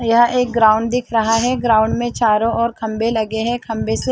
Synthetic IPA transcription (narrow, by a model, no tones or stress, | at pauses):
jɐɦʔeːk̚ɡɾaːʊ̃ɳɖd̪ɪkʰɾɐɦaɦɛɡɾaːʊ̃ɳɖmẽt͡ʃaːɾõʔɔːɾkʰɐ̃mbelɐɡeɦɛ̃kʰɐ̃mbese